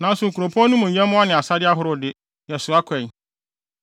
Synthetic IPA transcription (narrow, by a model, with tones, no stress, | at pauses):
nã˨˦n˦sʊ˨ŋ̩˨kʰu˨ɾo˨pʰɔ̃˦nũ˦mũ˨ɲ̩˨ɲɛ̃˦mʊ̃˦a˦nɪ̃˨a˨sa˦dɪ˦a˦ɦʊ˨˦ɾʊ˦dɪ˦ | jɛ˨sʊ˨a˦kʰɛ˨